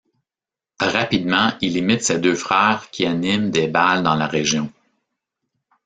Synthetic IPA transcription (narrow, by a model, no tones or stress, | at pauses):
ʁapid̪mɑ̃ilimɪt̪sed̪øːfχɛʁkʲianɪmd̪ebald̪ɑ̃laʁeʒjɔ̃